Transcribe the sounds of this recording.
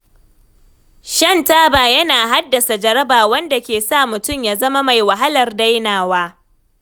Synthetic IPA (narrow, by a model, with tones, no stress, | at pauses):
ʃɐ˦ntaː˦baː˨jɐ˦naː˨ɦa˦dːɐ˨sa˨d͡ʒɐ˦ɾɐ˦baː˨wɐ˦nda˨kʲeː˨sa˦˨mʊ˨tʊ˦˨mjaː˨zɐ˦ma˦ma˨jwa˨ɦa˦lɐ˨rda˦jnaː˨waː˦